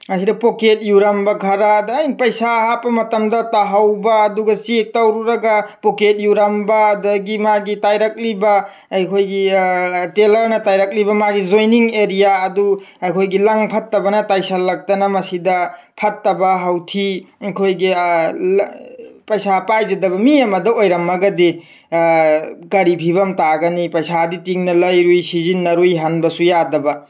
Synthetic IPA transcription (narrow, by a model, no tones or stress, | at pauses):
mɐs̬idɐpoket̚juɾɐmbɐɡʰʱɐɾadːjnpɐjsaɦapːɐmɐtɐmdɐtaɦawbɐːduɡɐsik̚tawɾuɾɐɡapoket̚juɾɐmbɐdɐɡimaɡitajɾɐk̚libɐː | jkʰojɡitelɐɾnɐtajɾɐk̚libɐmaɡizojniŋeɾijaɐduɐjkʰojɡilɐŋpʰɐtːɐbɐnɐtajsɐlːɐk̚tɐnɐmɐsidɐ | pʰɐtːɐbɐɦɐwtʰikʰojɡi | pɐjsapajd͡ʒɐdɐbɐmiɐmɐdɐojɾɐmɐɡɐdi | kɐɾipʰibɐmtaɡɐnipɐjsaditiŋnɐlɐjɾujsizinːɐɾujɦɐnbɐsujadɐbɐ